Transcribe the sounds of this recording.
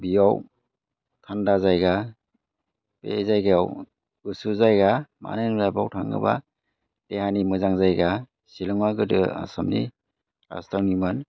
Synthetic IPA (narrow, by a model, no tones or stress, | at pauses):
bijaw | tʰandazajɡa | pḛzajɡejaw | ɡɯsuzajɡama̰nɯnlajbawtʰaŋɡɯ̰ba̰ | teɦanimɯzaŋzajɡa | silɯŋwaɡɯdɯa̰samnḭ | ɾa̰staɾnimɯn